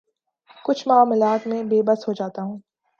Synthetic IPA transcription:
kʊt͡ʃʰmʊaːmlaːt̪mẽbeːbəsɦod͡ʒaːt̪aɦũː

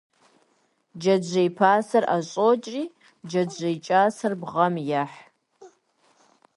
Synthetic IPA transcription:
d͡ʒɐd͡ʒejpʰaːsɐraɕʼot͡ʃʼriː | d͡ʒɐd͡ʒejt͡ʃʼaːsɐrbʁɐmjaħ

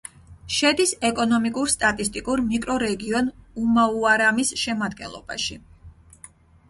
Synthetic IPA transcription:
ʃɛd̪isɛkʼɔnɔmikʼuɾst̪ʼat̪ʼist̪ʼikʼuɾmikʼɾɔɾɛɡiɔnumauaɾamisʃɛmad̪ɡɛnlˠɔ̰b̥a̰ʃi

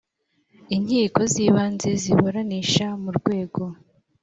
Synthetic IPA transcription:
iɲhiːko̞ziβaːnze̞ziβoɾaniʃamuɾɡwe̞ːɡo̞

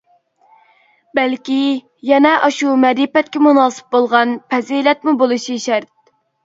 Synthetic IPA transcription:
bælkʲi | jɛnɛʔɑʃumɛɾipɛt̪̚kʲɛmunɑːsɨ̥p̚bolˠʁɑnpʰɛzilɛt̪mubolˠuʃiʃæɾt̪̚

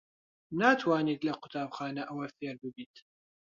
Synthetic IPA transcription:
naːt̪ʰwaːnid̪laqʊt̪aːbxaːnaʔawɐfilbubit̪

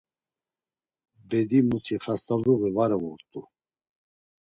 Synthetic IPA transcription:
bɛd̪imut̪ʰiχast̪ʰʼavɾuɣivaɾɛɣuɾt̪ʼu

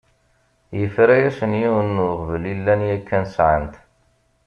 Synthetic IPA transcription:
jəfɾæjæsənjiwənːʊʁvəlilːænjækːænsʕant̪

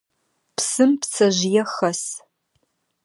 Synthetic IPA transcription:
psɨmpt͡sʰɐʒjɛxɐs

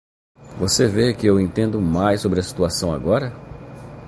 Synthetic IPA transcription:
vosevekɪewẽnt̪ẽnd̪ʊmajsːobɾɪɐsi̥t̪uasɐ̃w̃a̰ɡɔɾɐ

